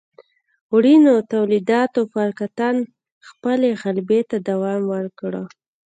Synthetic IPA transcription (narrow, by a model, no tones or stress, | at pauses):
wɽinot̪awlid̪ɑt̪ofaɾkat̪an | xpəleɣalbet̪ad̪awɑmwəɾkɽə